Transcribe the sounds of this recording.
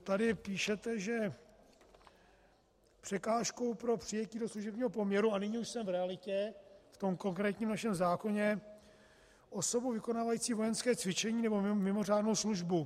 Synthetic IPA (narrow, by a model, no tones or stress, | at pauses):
t̪adɪpiːʃɛt̪ɛʒɛ | pr̝̥ɛkaːʃko̞wpɾo̞pr̥ɪjɛciːdo̞sluʒɛbɲiːɦo̞po̞mɲɛɾuanɪɲɪuʃsɛmvɾɛalɪcɛft̪o̞mko̞ŋkɾɛːt̪ɲiːmnaʃɛmzaːko̞ɲɛ | ʔo̞so̞buwvɪko̞naːvajiːt͡siːvo̞jɛnskɛːt͡svɪt͡ʃɛɲiːnɛbo̞mmɪmo̞r̝aːdno̞wsluʒbu